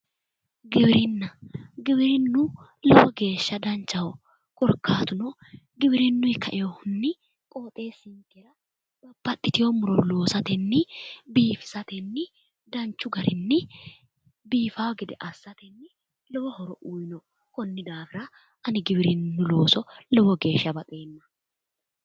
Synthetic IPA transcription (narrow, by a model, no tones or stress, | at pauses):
ɡɪbɪɾɪnːɐɡɪbɪɾɪnːʊ | lɔwɔɡe̞ːʃːɐd̪ɐnt͡ʃːɐwɔ | kʼɔɾkaːt̪ʊnɔ | ɡɪbɪɾɪnːʊɪkʰɐʔɪjɔhʊnːɪ | kʼo̞ːt̪ʼeːsɪŋkɛɾɐ | bɐb̥ɐt̪ːɪt̪ɪjɔmʊɾɔlo̞ːsɐt̪ɛnːɪbiːfɪ̥sɐt̪ɛnːɪ | d̪ɐnt͡ʃːʊɡɐɾɪnːɪ | biːfawɡɪd̪ɛʔɐsːɐt̪ɛnːɪ | lɔwɔhɔɾɔʔuːjnɔ | kɔnːɪd̪aːfɪɾa | ɐnɪɡɪbɪɾɪnːʊlo̞ːsɔlɔwɔɡe̞ːʃːɐbɐt̪ʼeːnːɐ̥